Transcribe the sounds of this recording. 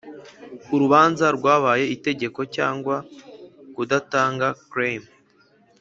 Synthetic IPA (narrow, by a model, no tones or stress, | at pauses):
uɾuβaːnzaɾɡwaːβaːje̞ite̞ɟe̞ko̞caːŋɡwa | kudataːŋɡakɾem